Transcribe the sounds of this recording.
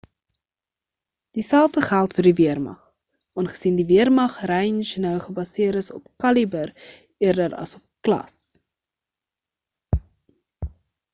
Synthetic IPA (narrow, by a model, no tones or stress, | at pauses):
d̥isælˠftəχælˠtfərdiviərmɐ̰χ | ʔɑːnχə̥sindiviərmɐχrɛjnʃnœwχəbɐsiəɾəsɔpkɐlibər | iərdəɾɐ̰sɔp̚klɐ̰s